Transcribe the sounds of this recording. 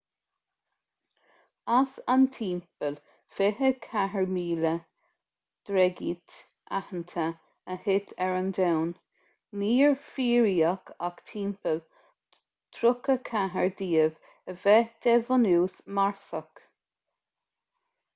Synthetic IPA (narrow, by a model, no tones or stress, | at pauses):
asant̪ʰiːmpəl | fɪɦəkʰaɦəɹmiːlə | d̪̥ɾɛɡiːt̪ | ʔa̰hənt̪ʰə | əhɪt̪ʰɛɹənd̪ɛwnː | iːɹfiːɾiːakʰakt̪ʰiːmpəl | t̪ʰɾʊkəkʰaɦəɹd̪iːəv | əvɛd̪̥ɛvɔnuːsmaɹsək